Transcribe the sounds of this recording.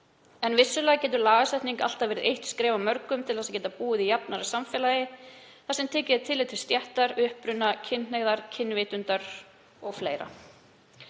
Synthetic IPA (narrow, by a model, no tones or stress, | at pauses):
ɛnvɪsːʏlɛːɣacɛːt̪ʏɾlaːɣasɛjht̪niŋka̰l̥t̪avɛːɾɪɾʔejht̪skɾɛːvamœɾkʏmt̪ʰɪlθɛs̬acɛːt̪apuːɪðijapnaɾḁsamfɛːlajɪθasɛmt̪ʰɛːcɪðt̪ʰɪlːet̪ʰɪlst̪jɛht̪aɾʏhpɾʏnːacʰɪnh̪ɛɣðaɾ̥cʰɪnːvɪt̪ʏnt̪aɾ | ɔɣfleːjɾa̰